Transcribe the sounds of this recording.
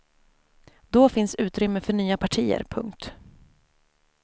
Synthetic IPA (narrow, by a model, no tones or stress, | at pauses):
d̪ɔfɪnsʉ̟ːt̪ɾʏmːəfœɳyːapʰaʈʰiːə̰ɾpʰɵ̰ŋkt̪